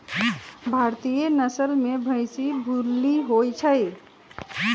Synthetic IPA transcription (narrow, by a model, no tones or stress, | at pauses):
bʱaɾt̪ijenəsəlmebʱə̃ɪsibʱuɾlːiɦojt͡ʃʰəj